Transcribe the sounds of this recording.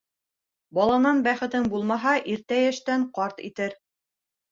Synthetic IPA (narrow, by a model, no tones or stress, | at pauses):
bɑlˠɑnɑnbæχɘ̆t̪ɘŋbulˠmɑɦɑʔiɾt̪æjæʃt̪æɴqɑɾt̪ḭt̪ɘɾ